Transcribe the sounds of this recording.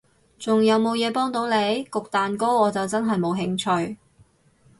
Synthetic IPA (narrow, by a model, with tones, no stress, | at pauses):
t͡sʊ˨ŋjɐ˨˧wmo˨˧wjɛː˨˧pɔː˥ŋt̪o˨˥wne˨˧jkʊ˨k̚t̪aː˨nko˥ɔː˨˧t͡sɐ˨wt͡sɐ˥nɦɐ˨jmo˨˧wɦɪ˧ŋt͡ʃʰɵ˧ɥ